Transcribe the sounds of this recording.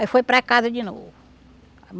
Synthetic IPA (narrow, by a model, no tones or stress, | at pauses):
ifojpɾɐkazɐd͡ʒino̰vʊ | m